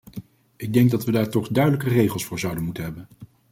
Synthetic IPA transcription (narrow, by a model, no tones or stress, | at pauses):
ʔɪɡ̚dɛŋɡ̚dɑtʋədaːɹtɔχdœɥdələkərejχəlˠsfʊːɹzɑwdənmutənɦɛbən